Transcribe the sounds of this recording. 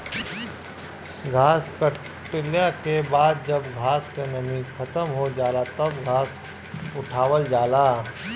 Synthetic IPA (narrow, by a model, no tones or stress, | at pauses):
ɡʱaːskə | ʈɪljakebaːd̪̚d͡ʒɐbɡʱaːskenɐmiːkʰɐt̪əmɦod͡ʒaːlat̪ɐbɡʱaːs | ʊʈʰaːwəld͡ʒaːlaː